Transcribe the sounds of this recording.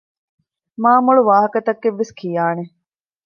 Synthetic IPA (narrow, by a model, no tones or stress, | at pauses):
maːmuɭuʋaːɦɐkɐt̪ɐkːeʋːeskʰijaːne